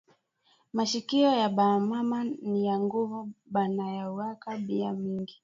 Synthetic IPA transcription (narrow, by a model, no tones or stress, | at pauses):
maʃikiɔjaɓamamanijaŋɡuvuɓanajauakaɓiamiŋɡi